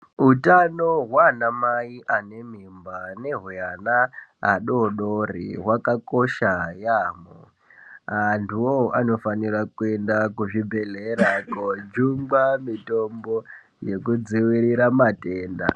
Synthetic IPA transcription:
utanoɦwanamaiʔane̞mimbane̞ɦujanaːɗoɗorḭɦwakakoʃajaːmo | antuwoano̞fanirakue̞ndakuʐibʱe̞ɮeɾakod͡ʒumɡ͡bamitombo | jekud͡ziwiɾiɾamateːnda̰

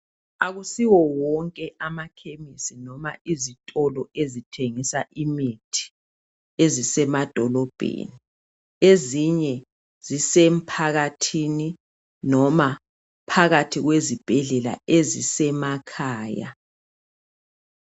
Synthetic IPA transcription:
aɣusiwɔwɔŋkʼɛʔamakʰemisinɔma̰ʔizitʼɔlɔezitʰeŋisaʔimitʰi̥ | ezisɛmad̥ʱɔlɔb̥ʱḛni | eziɲɛ | z̥isem̩pʰaɣatʰini | nɔma | pʰaɣatʰiɣwezib̥ʱɛɮɛla̰ezisɛmakʰaːja̰

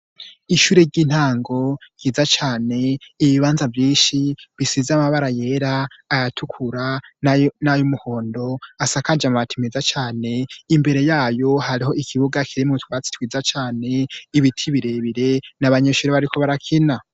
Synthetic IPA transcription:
iʃuːɾeɾɟin̥haːŋɡo̞jiːzat͡ʃaːne̞ːβiβaːnzavjiːnʃiβisizamaβaɾaje̞ɾaːjatʰukʰuɾa | najomuho̞ːndo̞asakad͡ʒamatimizat͡ʃaːne̞imbe̞ɾe̞jaːjo̞haɾiɦo̞ʔikʰiβuɡakʰiɾimutwaːt͡si̥twiːzat͡ʃaːne̞iβitʰiβiɾe̞βiɾe̞naβaɲeʃuːɾeβaɾikʰo̞βaɾakʰina

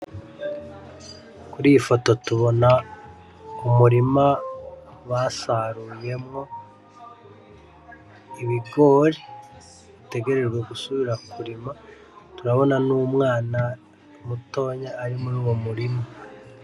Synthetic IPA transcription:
kuɾifo̞to̞tuβo̞na | umuɾima | βasaɾuːje̞mŋo̞ | iβiɡo̞ɾi | βite̞ɡe̞ɾe̞ɾɡwe̞ɡusuβiɾakuɾima | tuɾaβo̞nanuːmŋaːna | muto̞ːɲaːɾimuɾuːwo̞muɾima

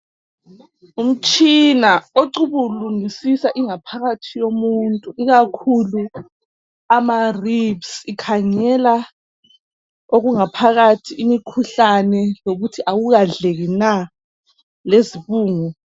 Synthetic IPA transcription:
um̩t͡ʃʼinaoǀuβuluŋisisaʔiŋapʰaɣatʰijomuntʼuiɣakʰulu | amaribsikʰaŋɛla | oɣuŋapʰaɣatʰiʔimikʰuɬanɛjoɣutʰiʔawuɣaɮeɣina | leziβuːŋu

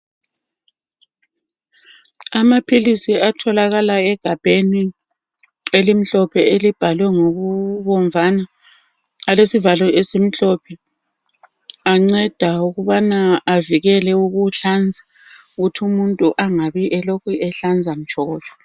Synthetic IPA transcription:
amapʰilisiatʰɔlaɣalaɛɡ̥ʱab̥ʱeni | elim̩ɬɔpʰɛelib̥ʱalwɛŋoɣuβɔɱvʱanaː | lesivalɔʔɛsim̩ɬɔpʰɛ | aŋ͡ǀɛd̥ʱauɣuβanaːviɣɛlɛuɣuɬand͡zʱa | uɣutʰumuntʼuʔaŋaβiʔɛlokuɛɬand͡zʱam̩t͡ʃʰʼɔɔːt͡ʃʼɔ̥

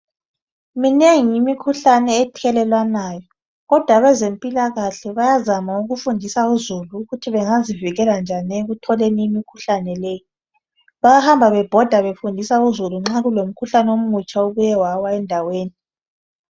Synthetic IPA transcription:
mineŋiːmikʰuɬanɛːtʰɛlɛlwanajɔ | ɣɔd̥ʱwaβɛzempʼilaɣaɬɛβajazamauɣufundʱisauzuluːɣutʰiβɛŋaziviɣɛland͡ʒʱanɛeɣutʰɔleniːmikʰuɬanɛlɛji | βajahambʱaβɛb̥ʱɔd̥ʱaβefundʱisauzuluŋ͡ǁaɣulom̩kʰuɬanom̩ut͡ʃʼauβujɛwawaɛndʱaweːni

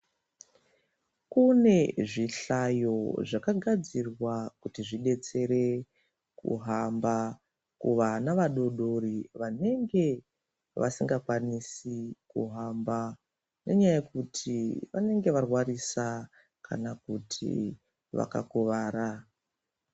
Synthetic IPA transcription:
kune̞ʐiɬajo̞ʐakaɡʱad͡zirwakutiʐiɗe̞t͡se̞ɾe̞ | kṵɦamba | kṵʋanaʋaɗo̞ɗo̞riʋane̞ŋɡe̞ | ʋa̰siŋɡakwanisikṵɦamba | ne̞ɲajajekutʰiʋa̰ne̞ŋɡe̞ʋarwarisa | kʰa̰nakutʰḭ | ʋa̰ka̰kuʋaːɾa

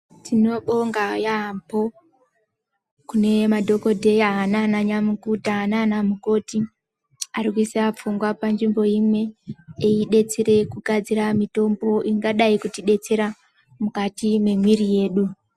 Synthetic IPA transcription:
tino̞ɓo̞ŋɡajampo̞ | kune̞madʱo̞ko̞dʱe̞jaɦananaɲamukutaɦananamuko̞ti | aɾikuiseap͡fuŋɡwapand͡ʒimbo̞imwe̞eiɗe̞t͡seɾe̞kuɡʱad͡ziɾamito̞mbo̞ʔiŋɡaɗaikutiɗe̞t͡se̞ɾa | mukatime̞mwiɾije̞ːɗu

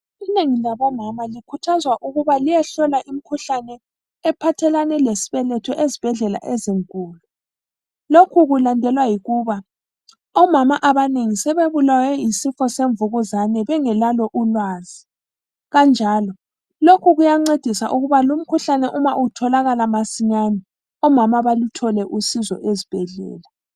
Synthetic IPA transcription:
ineŋilaβɔmamalikʰutʰazwaʔuɣuβalijɛɬɔlaʔim̩kʰuɬanɛː | pʰatʰɛlanɛlesi̥βɛlɛtʰɔʔezib̥ʱɛɮɛla̰ʔeziŋkʼuːlu | lokʰuɣulandʱɛlwajiɣuβa | ɔmamaʔaβaneŋisɛβeβulawɛjisifɔseɱvuɣuzanɛβɛŋɛlalɔʔulwaːzi | ɣand͡ʒʱaːlɔ | lokʰuɣujaŋ͡ǀed̥ʱisa̰ʔuɣuβalum̩kʰuɬanɛʔumaʔutʰɔlaɣalamasiɲanɛ | ɔmamaβalutʰɔlɛʔusizɔ̰ʔezib̥ʱɛɮɛ̰ːla

